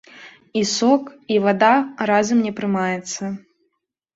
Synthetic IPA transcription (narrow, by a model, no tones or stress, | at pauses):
isɔkivad̪aɾazɐmnʲɛpɾɨmajɛt̪sːɐ